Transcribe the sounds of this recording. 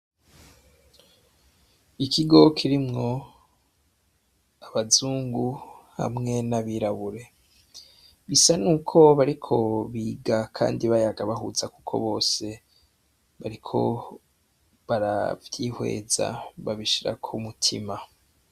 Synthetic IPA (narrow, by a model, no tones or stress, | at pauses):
ikʰiɡo̞kʰiɾimŋo̞ | aβazuːŋɡuha̰mŋe̞naβiɾaβuɾe̞ | ɡisanuːkʰo̞βaɾikʰo̞βiːɡakʰa̰ːndiβajaɡaβaɦuzakukʰo̞̰βo̞ːse̞ | βaɾikʰo̞̰ | βaɾa̰vjiːhwe̞̰ːza̰βaβiʃiɾa̰kʰumutʰḭma